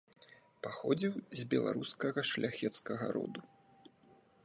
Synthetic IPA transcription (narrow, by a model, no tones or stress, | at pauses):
paxɔd͡zʲiwzʲbʲɛlˠa̰ɾuskɐɣɐʂlʲʔaxʲɛt̪skɐɣɐ̰ɾɔ̰d̪u